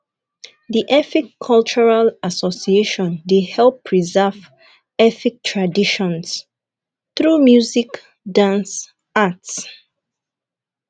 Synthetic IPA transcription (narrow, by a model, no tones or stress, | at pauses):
ðiʔɛθikʰːɔlt͡ʃuɹalasɔsieʃɔ̃ndidhɛlˠpʰɹizɛv | ɛθik̚tʰɹadiʃɔ̃ns | θɹumjuzik | dãns | ats